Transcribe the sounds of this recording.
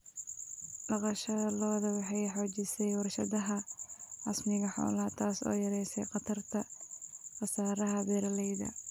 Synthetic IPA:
ɖɑqɑʃɐlɔːðɐwɑħɑjħɔːt͡ʃɪsɛjwɑrʃɐðɐɦɐɑsmɪɣɐħɔ̰ːlɐt̪ʰaːsɔ̰ːjɐɾɛjsɛ̰jqɑt̪ʰɐrt̪ʰɐ | qɑsaːɾɐɦɐbɛːɾɐlɛjðɐ̰

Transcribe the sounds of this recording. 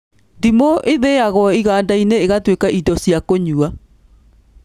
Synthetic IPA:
ndimoʔeðeaɣɔiɣaːndaineːɣatwekaʔidɔsjakoɲua

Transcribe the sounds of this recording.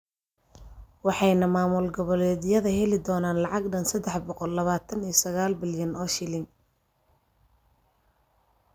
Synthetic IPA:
wɑħɑjnɐmaːmʊlɡɔβɔlɛːðɪjɐðɐɦɛlɪd̪ɔːnaːnlɑʕɑɡɖɐnsɐd̪ːɛħbɔqɔlːɐβaːt̪ʰɐnijsɐɣaːlbɪljɐnɔːʃɪlɪŋ

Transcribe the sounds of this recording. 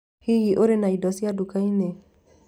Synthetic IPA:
hiiʔoɾenaidɔsiadukaine

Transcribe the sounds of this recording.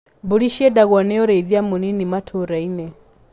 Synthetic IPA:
buɺiʃiɛdaɣɔnɛɔɾɛiðiamuninimatʰɔɾainɛ

